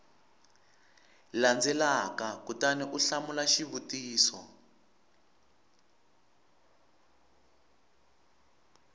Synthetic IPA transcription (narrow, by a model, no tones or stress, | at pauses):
land͡zɛlakakutaniʔuɬamulaʃiβutiːsɔ̰